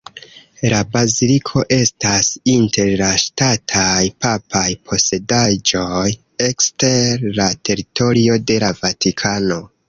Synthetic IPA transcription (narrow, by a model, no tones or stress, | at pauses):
labazilikʰo̞ʔe̞stasintʰe̞ɾlaʃtatʰajpapʰajpʰo̞se̞dad͡ʒo̞j | e̞kste̞ɾlatʰe̞ɾito̞ɾio̞de̞lavatʰikʰano̞